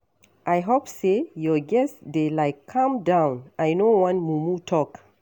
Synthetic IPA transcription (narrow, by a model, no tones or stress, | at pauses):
ʔajɦopsejɔɡɛsdelajkʰːãmdãw̃nʔajnowãnmumutʰɔk